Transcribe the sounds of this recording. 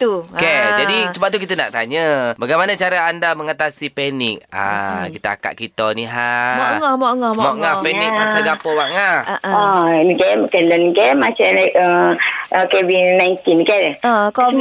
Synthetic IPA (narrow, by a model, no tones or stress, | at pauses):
t̪uked͡ʒadit͡ʃəbaʔ̚t̪̬ukit̪ənaʔt̪aɲəbaɡajmanat͡ʃaɾaandaməŋat̪asipɛnɪk̚a̰kit̪aa̰ka̰ʔ̚kit̪ɔniɦamɔŋɔhmɔʔŋɔhmmɔʔŋapɛnik̚masəɡapəwaʔŋaaankɛkɛndɔnkɛmat͡ʃanəəkevinajnt̪inkɛakɔ